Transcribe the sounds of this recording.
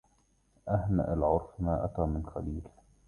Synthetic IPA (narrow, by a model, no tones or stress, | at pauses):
ʔahna̰ʔalʕʊɾfmaːʔat̪aːmɪnxa̰liːl